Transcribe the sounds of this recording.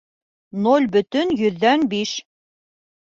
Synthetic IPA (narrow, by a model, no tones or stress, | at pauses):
nolʲbɵ̆t̪ɵnjɵ̆ðːænbiʃ